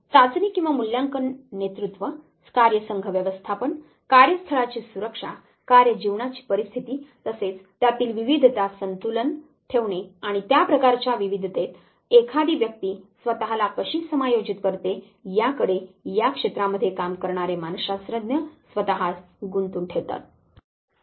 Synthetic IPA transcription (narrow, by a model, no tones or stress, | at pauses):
t̪at͡sniːkĩw̃ʋamuljãŋkənːet̪ɾut̪ʋə | skaɾjəsəŋɡʱəʋjəʋəst̪ʰapəɳ | kaɾjəst̪ʰəɭat͡ɕiːsuɾəkʂa | kaɾjəd͡ʑiʋɳat͡ɕi̥ːpəɾist̪ʰit̪iːt̪əset͡st̪jat̪iːlʋiʋid̪ʱt̪asənt̪ulən | ʈʰeʋɳeaɽ̃it̪japɾəkaɾt͡ɕaʋiʋid̪ʱt̪et̪ | ekʰad̪iːʋjək̚t̪iːsʋət̪əɦalakəɕiːsəmajod͡ʑit̪kəɾt̪e | jakəɽejakʂet̪ɾaməd̪ʱːjekamkəɾɳaɾemanɕasɾəd̪njəsʋət̪əɦas | ɡunt̪uːnʈʰeʋt̪a̰t̪̚